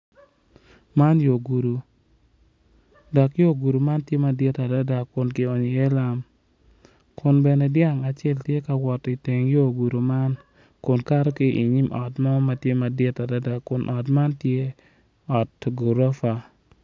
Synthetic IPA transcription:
ma˦njo˨ɡu˨ɾu˨ | dɔ˨kjo˦˨ɡu˨ɾu˨ma˦ntje˦ma˨dɪ˦ta˨da˦da˨kʊ˨nkɪ˨ɔ˨ɲi˨ɛ˦la˦m | kʊ˨nbɛ˨nɛ˨dja˦ŋa˨t͡ʃɛ˦ltje˦ka˨wɔ˨ti˨te˨ŋjo˦˨ɡu˨ɾu˨ma˦n | kʊ˨nka˦ɾɔ˦kɪ˦ʔi˨ɲi˦mʔɔ˨tmɔ˦ma˨tje˦ma˨dɪ˦ta˨da˦da˨kʊ˨nʔɔ˨tma˦ntje˦ | ɔ˨tɡu˨ɾɔ˦fa˨

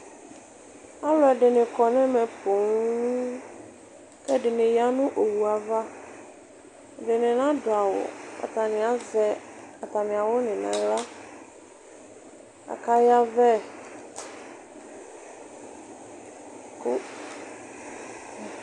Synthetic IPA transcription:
a˦lɔ˦ɛ˨ɖɪ˨nɪ̃˨kɔ˨nɛ̃˦mɛ˨po˨ŋ˦ | kɛ˦ɖɪ˨nɪ̃˨ja˦nʊ̃˦ʔo˨wu˨a˨va˦˨ | ɖɪ˨nɪ̃˨nã˦dʊ˨a˨wʊ̰˨a̰˨t̪a˨nɪ̃˨a˨zɛ˨a˨t̪a˨mɪ̃˨a˨wʊ˦nɪ̃˨nã̰˨la˦ | a̰˨ka˦ja˦vɛ˦ | kʊ˦

